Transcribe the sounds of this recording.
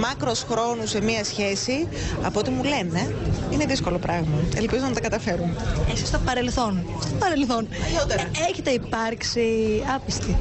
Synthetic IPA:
mɐkɾo̞sxɾo̞nuse̞miɐsçe̞si | ɐ̰poot̪imule̞ne̞ine̞ðisko̞lo̞pɾɐɣmɐḛlpizonɐt̪ɐkɐt̪ɐfe̞ɾunesi̥st̪opɐɾe̞lθo̞n | st̪opɐɾelθo̞not̪eeçet̪eipɐɾksiɐpist̪i

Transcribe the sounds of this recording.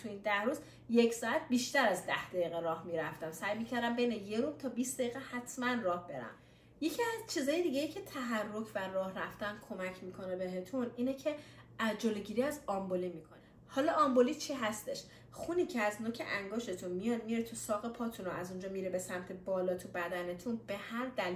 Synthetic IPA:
t̪ʰuiːnd̪æhɾuːz | je̞cʰsɒːæt̪̚ʰbiːʃt̪æɾæzd̪æhd̪̥æiːɣeɾɒːhmiːɾæft̪æmsæjmiːcʰæɾd̪æmbejnejeɾumt̪ʰɒːbiːsd̪æiːɣɛhæt̪ʰmænrɒːhb̥e̞ɾæ̰m | je̞cʰiæzt͡ʃʰiːzɒːjed̪iːɟe̞jiːcʰe̞t̪ʰæɦærːo̞cʰværɒːhræft̪ænkʰo̞mæcʰmiːkʰonebe̞ɦe̞t̪ʰuniːnecʰe̞d͡ʒolo̞ɟiːɾiːæzɒmboliːmiːkʰo̞ne | hɒːlɒɒmbolit͡ʃʰiɦæst̪eʃ | xuniːcʰeæznocʰeʔæŋɡoʃe̞t̪ʰunmijɒd̪̚miɾet̪ʰusɒːɣe̞pʰɒːt̪ʰunoæzund͡ʒɒːmiːɾebesæmt̪ʰe̞bɒːlɒːt̪ʰubæd̪æne̞t̪ʰunb̥e̞hæɾd̪æl

